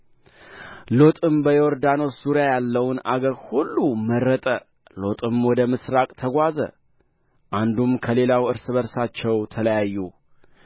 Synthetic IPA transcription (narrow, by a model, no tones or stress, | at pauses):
lo̞t̪ʼɨmbəjɛɔɾd̪ano̞suɾjajalːəwnaɡəɾhulːumərːət̪ʼə | lo̞t̪ʼɨmwɔd̪əmɨsɾakʼt̪ʰəɡʷazə̰ | ʔand̪umkʰəle̞lawɨɾsɨβəɾsat͡ʃːɛwt̪ʰələjajːu